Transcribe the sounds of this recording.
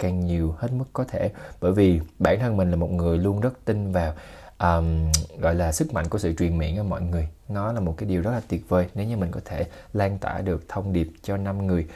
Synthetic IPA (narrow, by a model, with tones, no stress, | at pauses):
kaː˨˩ŋɲi˨˩əwhe˦˥t̚mɨ˦˥kːɔ˨˦t̪ʰe˧˩ɓəː˧˩jvi˨˩ɓaː˧˩nt̪ʰə˧nmï˨˩ŋ̟laː˨˩mo˨˩t̚ŋɨ˨˩əjlu˧ənzə˦˥t̚t̪ï˧ŋvaː˨˩w | ʔəː˨˩mɣɔ̰˧˨jlaː˨˩sɨ˦˥k̚ma̰˧˨jŋku˧˩əsɨ̰˧˨t͡ɕwi˨˩ənmḭ˧˨ənʔəː˧˩mɔ̰˧˨jŋɨ˨˩əjnɔ˨˦laː˨˩mo˨˩t̚kaː˨˦ɗi˨˩wzə˦˥t̚laː˨˩t̪i˨˩ət̚vəː˨˩jne˨˦wɲɨ˧˩mï˨˩ŋ̟kɔ˨˦t̪ʰe˧˩ | laː˧nt̪a̰ː˧˩ɗɨ˨˩ək̚t̪ʰə˧wŋ͡mɗi˨˩əp̚t͡ɕɔ˧na˧mŋɨ˨˩əj